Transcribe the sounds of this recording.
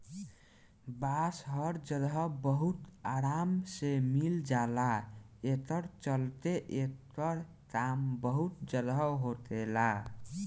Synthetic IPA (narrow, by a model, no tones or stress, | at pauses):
basɦəɾd͡ʒəd̪ʱɔbəɦut̪aɾamsemild͡ʒala | et̪əɾt͡ʃəlt̪eʔet̪əɾ | kambəɦut̪̚d͡ʒəd̪əɦot̪ela